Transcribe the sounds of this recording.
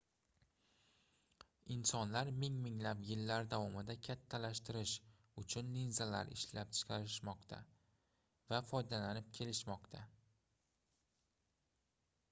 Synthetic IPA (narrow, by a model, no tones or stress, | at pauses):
ɪnsɒnlaɾmɪŋmɪŋlapjɪlːaɾd̪avɒmɪd̪akʲʰat̪ʰːalaʃt̪ɪɾɪʃ | ʊt͡ʃʰʊnlinzala̰ɾɪ̰ʃlap̚t͡ʃʰɪ̥qʰɑɾɪʃmɒqt̪ʰa̰ | vafɒjd̪alanɪp̚kʲʰe̞lɪʃmɒqt̪ʰa